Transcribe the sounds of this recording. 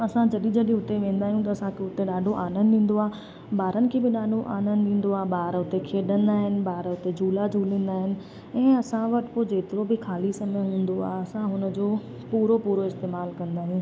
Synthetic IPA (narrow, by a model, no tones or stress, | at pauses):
ɐsãd͡ʑɐɗĩd͡ʑɐɗĩʊt̪eʋẽːnd̪aːɦijũt̪̬ɐɐsãkʰeʊt̪eɗaːɖʱoʔaːnənĩːn̆d̪oaː | ɓaːɾənɪ̆kʰebɪɗaːɖʱoʔaːnə̃nɗĩːn̆d̪oaːɓaːɾʊt̪ekʰeːɗə̃nd̪aːɦɪnɪ̆ɓaːɾʊt̪ed͡ʑʱuːlad͡ʑʱuːlĩːn̆d̪aːɦɪnɪ̆ | ɛ̃ːɐsãʋɐʈɪ̥̆poːd͡ʑeːt̪ɪɾobʱɪkʰaːlisɐməɦũːn̆d̪oa̰ːɦɐsãɦʊnəd͡ʑoː | puːɾopuːɾoɪst̪eːmaːlkɐ̃nd̪aːɦijũː